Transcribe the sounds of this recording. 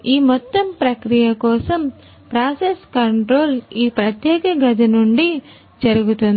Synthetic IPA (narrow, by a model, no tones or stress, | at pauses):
iːmɔt̪ːɐmpɾɐkɾijɐkɔːsɐm | pɾaːseskɐɳʈɾoːliːpɾɐt̪jɛːkɐɡɐd̪inuɳɖi | d͡ʒɐɾuɡut̪und̪i